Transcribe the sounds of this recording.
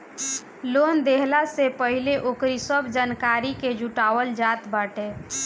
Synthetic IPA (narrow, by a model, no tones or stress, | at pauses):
lond̪eɦlasepəɦileʔokɾisəbʱd͡ʒaːnkaɾiked͡ʒʱuʈaʋəld͡ʒat̪baːʈe